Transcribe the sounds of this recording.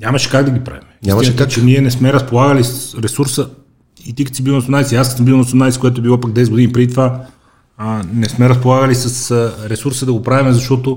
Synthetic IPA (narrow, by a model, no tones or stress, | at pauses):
ɲʲamɐʃɛ̥kaɡd̪ɐɡʲipɾa̰vimɛisinət̪t͡ʃɛniɛnɛsmɛɾɐspolˠaɡəlisəsɾɛsuɾsə | it̪ikət̪sibilˠnɐsonajsiassəmbilˠnɐsonaiskoɛt̪oɛbilˠɔpaɡ̚d̪ɛsɛd̪ɡod̪inipɾɛd̪it̪ova | nɛsmɛɾɐs̬polˠaɣəlisəsɾɛsuɾsəd̪ɐɡopɾavimɛzɐʃt̪ɔt̪o